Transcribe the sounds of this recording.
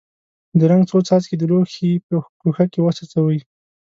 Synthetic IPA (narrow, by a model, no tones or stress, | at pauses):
d̪əɾaŋɡt͡sot͡sɑt̪ked̪əloxepəkuxakewasɑt͡sawəj